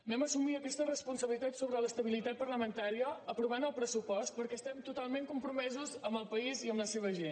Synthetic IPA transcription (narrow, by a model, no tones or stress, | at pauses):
nɛməsumiəkɛst̪ərəspunsəβlit̪at̪soβɾələst̪əβilit̪at̪̚pəɾləmənt̪aɾiəːpɾuβanəlˠpɾəsupɔst̪̚pəɾkɛst̪ɛmt̪ut̪alˠmẽŋkumpɾumɛzuzəmbəlˠpəiziəmbləseβ̞əʒen